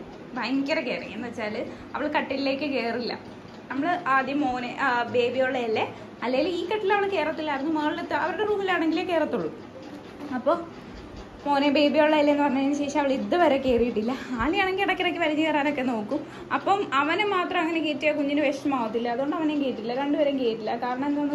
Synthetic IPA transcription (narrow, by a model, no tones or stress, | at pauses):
bɐjŋkːɐɾekeːrikːenːɨʋɐt͡ɕːaːlɨ | ɐ̰ʋɐɭkɐʈːille̞ːkːɨke̞ːrilːɐ̰ | nɐmːɐɭɨʔaːd̪jɐmoːnebe̞ːbijoːɭːɐɐlːe | ɐlːɐjiliːkːɐʈːilːɐʋɐɭke̞ːɾɐɐt̪ːilːajrɐnːumɐːɐɭilet̪ːɐ̰ʋɐɾuɽeruːmilaːɳe̞ŋɡileke̞ːrɐt̪ːuɭːu | ɐpːo̞ː | mo̞ːnebe̞ːbijoɭːɐjɐlːɐenːɨpɐrɐɲːɐnːɨɕe̞ːʂɐmɐʋiɭiðɨʋɐɾekːe̞ːrijiʈːilːɐaːlijaːɳeŋɡilɐɽɐkːɐɽɐkʲːɨʋɐɾiɲːɨkeːraːnokːe̞no̞ːkːum | ɐpːɐmɐʋɐnemaːt̪rɐmɐŋːɐnekeːtːujɐkuɲːinɨʋeʂʈɐmaːʋɐt̪ːilːɐːðuɣoɳɖɐʋɐnekeːtːilːɐɾeɳɖɨʋɐɾeŋkeːʈːilːɐkaːɾɐɳɐ̃menɐmːɨ